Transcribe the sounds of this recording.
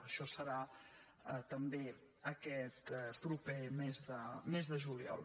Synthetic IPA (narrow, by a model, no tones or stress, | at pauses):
əʃɔsəɾa | ət̪əmbe | əkɛt̪pɾupemezðəmezðəʒuliɔ̰lˠ